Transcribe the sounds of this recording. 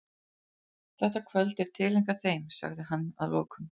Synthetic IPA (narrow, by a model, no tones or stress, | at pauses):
θɛht̪akʰvœlt̪ɛɾ̥t̪ʰɪlːeŋkaθejmsa̰ɣðɪɦanːa̰ðlɔːkʏm